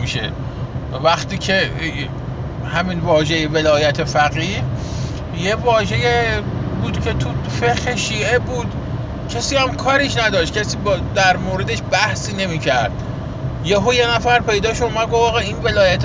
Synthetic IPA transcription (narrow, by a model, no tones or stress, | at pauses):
iʃḛ | væxt̪iːcʰe | hæminvɒːʒejeve̞lɒːjæt̪ʰe̞fæɣiːh | jevɒːʒe̞jebuːd̪̥cʰe̞t̪ʰufexeʃiːʔe̞buːd̪ | cʰæsiːhæmkʰɒːɾiʃnæd̪ɒːʃt̪̚cʰæsiːbd̪æɾmoːɾe̞d̪e̞ʃbæhsiːne̞miːcʰæɾd̪̥ | jeɦojenæfæɾpʰe̞jd̪ɒːʃomæɡovɒːɣɑːinve̞lɒːjæt̪